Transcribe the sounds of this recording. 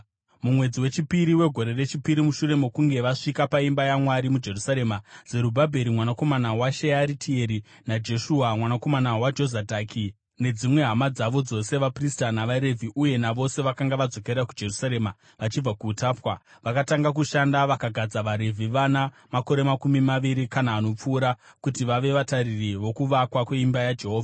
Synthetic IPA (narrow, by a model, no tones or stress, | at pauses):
mumwe̞d͡ziwe̞t͡ʃipiɾiwe̞ɡʱo̞ɾe̞re̞t͡ʃipiɾimuʃure̞mo̞kuŋɡe̞ʋaʂikapaimbajamwaɾimud͡ʒe̞rusaɾe̞maz̥e̞ɾubʱabʱe̞ɾimwanako̞manawaʃeaɾitʰie̞ɾi | nad͡ʒe̞ʃuːamwanako̞manawad͡ʒo̞zadʱaki | ne̞d͡zimwe̞ɦamad͡zaʋo̞d͡zo̞se̞ʋapristanaʋaɾe̞vʱiʔuje̞naʋo̞se̞ʋakaŋɡaʋad͡zo̞ke̞ɾakud͡ʒe̞rusaɾe̞ːma | ʋat͡ʃib͡vakuːtaːpwaʋakataŋɡak̬uʃandaʋakaɡʱad͡zaʋaɾe̞vʱiʋana | mako̞ɾe̞makumimaʋiɾikanaːno̞p͡fuːɾa | kutiʋaʋe̞ʋataririʋo̞kuʋakwakwe̞imbajad͡ʒe̞ɦoːvʱa